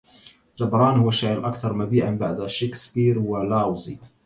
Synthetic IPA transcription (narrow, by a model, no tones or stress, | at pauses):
d͡ʒ̪ɑbɾˤɑːnhʊwːaʃaʕɾlʔakt̪ɑɾˤmabiːʕanbaʕd̪aʃeksbiːɾwalawzi